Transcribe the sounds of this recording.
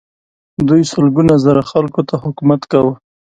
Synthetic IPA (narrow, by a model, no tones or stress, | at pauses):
d̪ujsəlɡunazaɾaxalkot̪ahʊkumat̪kawə